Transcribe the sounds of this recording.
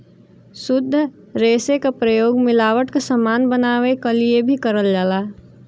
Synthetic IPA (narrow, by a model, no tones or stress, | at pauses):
sʊd̪ʱː | ɾeːsekapɾəjoːɡmɪlaːʋəʈkasəmaːnbənaːʋekɐliebʱikəɾəld͡ʒaːlaː